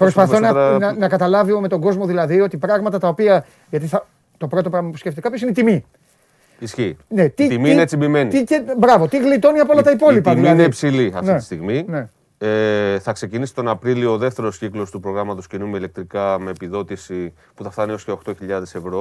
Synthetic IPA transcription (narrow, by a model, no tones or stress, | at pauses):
pɾos̬pɐθonɐnɐnɐkɐt̪ɐlɐviome̞t̪o̞ŋɡo̞zmo̞ðilɐðio̞t̪ipɾɐɣmɐt̪ɐt̪ɐo̞piɐ | ʝɐt̪iθɐ | t̪o̞pɾo̞t̪opɾɐɣmɐpusceft̪eɐpçosineit̪imi | isçine̞t̪it̪imiieet͡simbime̞nit̪iebɾɐvo̞t̪iɣlit̪o̞niɐpolɐt̪ɐipo̞lipɐimiinepsiliɐ̰fntieist̪iɣmine | eθɐkse̞cinisi̥t̪o̞nɐpɾiliooðe̞ft̪e̞ɾo̞sciklo̞st̪upɾo̞ɣɾɐmɐt̪o̞scenumeile̞k̚t̪ɾikɐme̞ːpiðo̞t̪isi | puθɐft̪ɐnio̞sceo̞xt̪o̞çiʎɐðe̞se̞vɾo̞